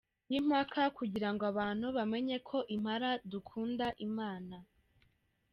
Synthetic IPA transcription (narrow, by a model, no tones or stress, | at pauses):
jim̥hakʰakuɟiɾaŋɡoaβaːn̥huβame̞ɲe̞kʰo̞ʔim̥haɾadukʰuːndaʔimaːna